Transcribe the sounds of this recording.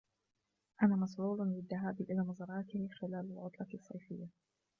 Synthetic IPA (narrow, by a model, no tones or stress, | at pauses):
ʔanaːmɑsʕuːllɪðːaɦaːbʔɪlaːmɑzɑːɾˤɑːt̪ɪhxɪlaːlalʕʊt̪ˤlɑsˤːɑjfɪjːa